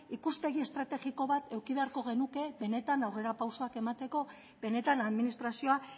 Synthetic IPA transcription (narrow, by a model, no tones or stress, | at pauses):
ikuspe̞ɣ̞ie̞st̪ɾat̪e̞ɣiko̞βat̪ʰe̞wkiβe̞aɾko̞ɣ̞e̞nuke̞βe̞ne̞t̪anawre̞ɾapawso̞ake̞mat̪e̞ko̞ | βe̞ne̞t̪anaðminist̪ɾasio̞a